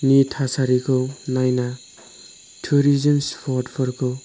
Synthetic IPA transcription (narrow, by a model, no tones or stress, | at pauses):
nitʰasaɾikʰɯwnajna | tʰuɾizɔnspʰɔdpʰɔɾkʰɯw